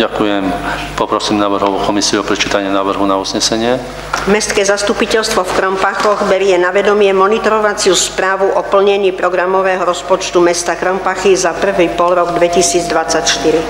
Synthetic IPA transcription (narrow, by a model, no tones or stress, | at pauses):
ɟakujɛmpɔpɾɔsiːmnaːʋr̩ɦɔukɔmisiuɔpɾɛt͡ʃiːt̪aɲɪɛnaːʋr̩ɦunauzɲɛsɛɲɪɛ | mɛst̪kɛːzast̪upicɛʎst̪ʋɔfkɾɔmpaxɔɣbɛɾɪɛnaʋɛd̪ɔmɪɛmɔnit̪ɔɾɔʋat͡sɪuspɾaːʋuʔɔpl̩ɲɛɲiːpɾɔɡɾamɔʋɛːɦɔɾɔspɔt͡ʃt̪umɛst̪akɾɔmpaxizapr̩ʋiːpɔlɾɔɡd̪ʋɛcisiːd͡zd̪ʋat͡sacʃt̪iɾi